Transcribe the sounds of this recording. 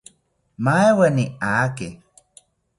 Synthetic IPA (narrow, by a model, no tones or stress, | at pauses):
maeweniake